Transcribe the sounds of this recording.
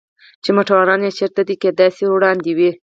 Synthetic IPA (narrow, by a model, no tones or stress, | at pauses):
t͡ʃemoʈawɑɾɑnjet͡ʃeɾt̪ad̪iked̪ɑjsewɽɑnd̪iwi